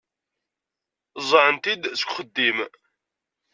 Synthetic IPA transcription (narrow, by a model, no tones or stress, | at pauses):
zˤəʕənt̪id̪sə̥kʷχəd̪ːim